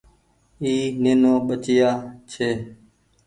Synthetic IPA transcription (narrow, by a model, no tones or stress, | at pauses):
iːneːnoːɓət͡ʃɪjaːt͡ʃʰeː